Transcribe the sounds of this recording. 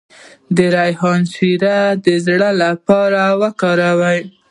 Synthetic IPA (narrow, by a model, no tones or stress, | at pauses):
d̪əɾajhɑnsiɾad̪əzɽəlapɑɾawəkɑɾawaj